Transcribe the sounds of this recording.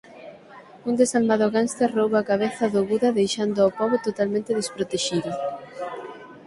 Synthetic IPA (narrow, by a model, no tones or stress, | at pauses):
und̪esalmaðoɣanst̪erowβakaβ̞eθaðoɣuðɐðejʃand̪ʊaopɔβot̪ot̪almẽnt̪eðespɾot̪eʃiðʊ